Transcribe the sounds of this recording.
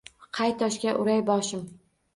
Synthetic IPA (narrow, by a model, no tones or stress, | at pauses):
qʰɑjt̪ʰɒʃkʲaʔʊɾajbɒʃɪm